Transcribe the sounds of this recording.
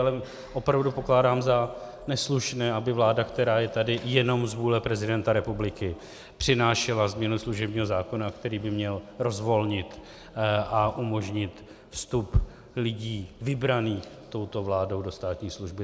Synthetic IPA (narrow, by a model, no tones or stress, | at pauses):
alɛ | ʔo̞pɾavdupo̞klaːdaːmza | nɛsluʃnɛːʔabɪvlaːdakt̪ɛɾaːjɛt̪adɪjɛno̞mzvuːlɛpɾɛzɪdɛnt̪aɾɛpublɪkɪ | pr̝̥ɪnaːʃɛlazmɲɛnusluʒɛbɲiːɦozaːko̞nakt̪ɛɾiːbɪmɲɛlɾo̞zvo̞lɲɪt̪ | ʔaʔumo̞ʒɲɪt̪ | fst̪up | lɪɟiːvɪbɾaniːxt̪o̞wt̪o̞vlaːdo̞wdo̞st̪aːt̪ɲiːsluʒbɪ